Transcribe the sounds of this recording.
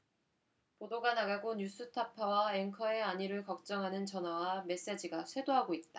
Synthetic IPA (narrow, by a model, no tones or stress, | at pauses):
podoɡanaɡaɡoɲus͈ʰɯtʰapʰawaeŋkʰʌe̞aɲiɾɯɭkʌk̚t͡ɕ͈ʌŋɦanɯnt͡ɕʌnwawame̞s͈e̞d͡ʑiɡasʰwe̞doɦaɡoit̚t͈ḁ